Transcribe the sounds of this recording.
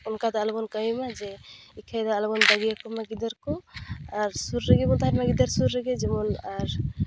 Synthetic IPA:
unkad̪aːlbɔnkajimad͡ʒɛikʰajd̪aːlbɔnbaɡijakɔmaɡid̪aɾkɔaɾsuɾːəɡɛbɔnt̪aɦaɾmaɡid̪aɾsuɾːəɡɛd͡ʒɛmɔnaɾ

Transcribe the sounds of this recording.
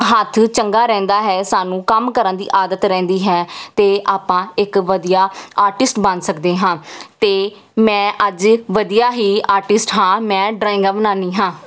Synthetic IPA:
ɦət̪ʰt͡ʃəŋɡaːɾɛ̃ːnd̪aːɦɛːsaːnũːkəmkəɾənd̪ḭːʔaːd̪ət̪ɾɛ̃ːnd̪iːɦɛːt̪eːʔaːpãːɪkʋəd̪ijaːaːɾʈɪsʈbənd̪səkd̪eːɦãːt̪eː | mɛ̃ːʔəd͡ʒʋəd̪ijaːɦiːaːɾʈɪsʈɦãːmɛ̃ːɖɾaːɪ̃ŋɡãːbənaːniːɦãː

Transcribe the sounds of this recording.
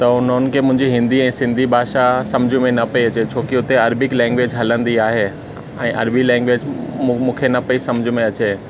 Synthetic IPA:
t̪ɐʊn̤onkʰemʊ̃ɦɪ̃ɲd͡ʑiɦɪ̃nd̪iɛ̃ːsɪ̃nd̪ʱibʱaːʃasɐmd͡ʑʱũmẽnɐpɐiɐt͡ɕet͡ɕʰoːkiʊt̪eɐɾbɪklɛ̃ːŋɡʋeːd͡ʑɦɐlə̃nd̪iaːɦeː | ɛ̃ːʔɐ̰ɾbilɛ̃ːŋɡʋeːd͡ʑmũːkʰenɐpɐisɐmd͡ʑʱimẽɐt͡ɕeː

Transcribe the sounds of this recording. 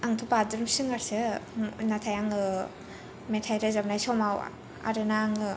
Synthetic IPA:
aŋtʰupadɯɾmsɯŋaɾsɯnatʰajaŋɯ | metʰajɾezabnajsɔmaw̰ | a̰ɾɯnaŋɯ

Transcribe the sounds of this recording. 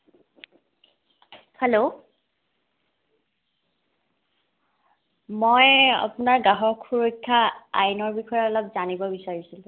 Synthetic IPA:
helo | mɔja̰pʊnaɹɡaɦɔkʰːuɹokʰːaa̰jnɔɹbixɔjɔɔlɔbzanibɔbisaɹisilʊ̃

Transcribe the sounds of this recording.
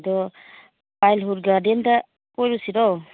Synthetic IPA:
dɔ | pajlɦuɾɡadenda | pɔjɾusiɾɔ

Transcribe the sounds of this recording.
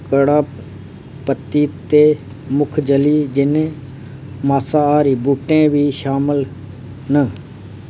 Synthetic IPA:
kəɽaː | pət̪ːiːt̪eː | mʊkʰd͡ʒəliːd͡ʒɪnẽ | maːsaːaːɾiːbuːʈẽːbʱiːʃaːməl | nə

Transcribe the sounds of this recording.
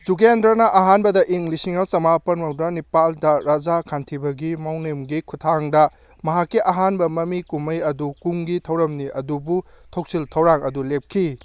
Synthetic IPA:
d͡ʒuɡendɾɐnɐʔɐɦanbɐdɐʔiŋlisiŋɐsɐmapɐnmɐwdɐnipaldɐɾad͡ʒakʰantʰibɐɡimawnemɡikʰutʰaŋdɐ | mɐɦakːiʔɐɦanbɐmɐmikumɐjɐdukuŋɡitʰɐwɾɐmniɐdubutʰok̚siltʰɐwɾaŋɐdulep̚kʰi

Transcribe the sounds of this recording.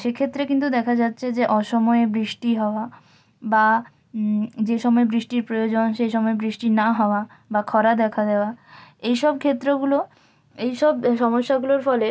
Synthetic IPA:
ʃekʰet̪ːɾekint̪ud̪ɛkʰad͡ʑatːɕʰed͡ʑeʔɔʃɔmɔebɾiʃʈiɦɔoa | ba | d͡ʑeʃɔmɔebɾiʃʈiɾpɾojod͡ʑonʃejʃɔmɔebɾiʃʈinaɦɔoa | bakʰɔɾad̪ɛkʰad̪eoaejʃɔb̚kʰet̪ːɾoɡulo | ejʃɔbʃɔmoʃːaɡuloɾfɔle

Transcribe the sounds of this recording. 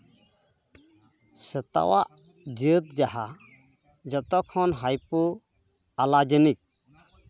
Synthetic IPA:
sət̪a̰wa̰ʔ | d͡ʒət̪̚d͡ʒaɦa | d͡ʒɔt̪ɔkʰɔnɦajpu | alad͡ʒənik̚

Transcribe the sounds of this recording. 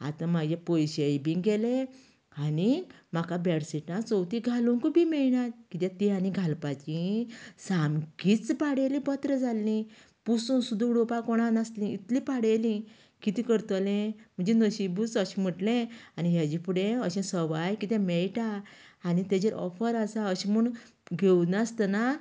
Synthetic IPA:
a̰t̪ãmaɡepojɕebĩŋɡɡele | anim̤akabɛɽsiʈãt͡sɔwt̪iɡʱaluŋkubimɛɭnat̪̚kit̪ɛ̃t̪ianiɡʱalpat͡ɕĩsamkit͡spaɽelĩbət̪ɾed͡zalːĩ | pusũnsud̪uɡɽopakɔɽ̃anaslĩit̪lipaɽelĩ | kit̪ĩkəɾt̪ɔlẽm̤əɳd͡ʑenəɕibut͡səɕim̤əʈlẽañiɦjad͡ʑipuɽẽəɕɛ̃səʋajkit̪ɛ̃meɭʈaːnit̪ed͡ʑeɾʔɔ̰fəɾasaəɕĩmuɳ | ɡʱewnast̪əna

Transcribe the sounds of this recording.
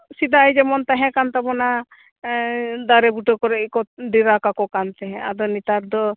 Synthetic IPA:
sid̪ajd͡ʒɛmɔnt̪aɦɛ̃kant̪abɔna | d̪aɾɛbuʈɔkɔɾɛʔkɔɖiɾakakɔkant̪ɛɦɛ̃ad̪ɔnit̪aɾd̪ɔ

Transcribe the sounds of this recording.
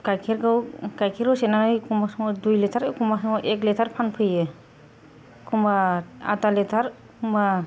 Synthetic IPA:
kajkʰeɾɡɯwkajkʰiɾɡɯsɛnanɯjkʰumbasɔŋɔdujlɛtʰaɾkumbasɔŋɔʔɛklɛtʰaɾpʰanpʰɯjɯ | kʰumbaa̰talɛtʰaɾ | kumba

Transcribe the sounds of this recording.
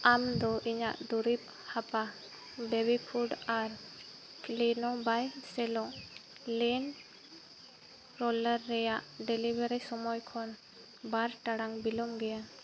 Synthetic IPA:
amd̪ɔʔiɲa̰ʔd̪uɾip̚ | hapa | bɛbipʰuɖaɾ | klinɔbajsɛlɔ̃ʔ | lɛn | ɾɔlɛɾːɛjaʔɖɛlibɛɾɛsɔmɔjkʰɔn | baɾʈaɽaŋbilɔmɡɛja

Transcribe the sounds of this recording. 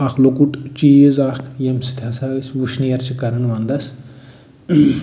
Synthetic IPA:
ɐkʰlokuʈt͡ʃizakʰjemsi̥t̪ʰʲɐsaːʋisʋuʃnijɐɾt͡ʃʰikɐɾɨnʋand̪ɐs

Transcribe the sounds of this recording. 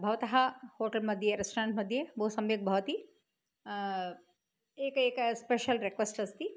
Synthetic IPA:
bʱɐʋɐt̪ɐɦahoːʈɐlmɐd̪ʱjeɾɐsʈɾãːɳʈmɐd̪ʱjebɐɦusɐ̃mjeɡ̚bʱɐʋt̪i | eːkeːkspeʃɐlɾekʋesʈɐst̪i

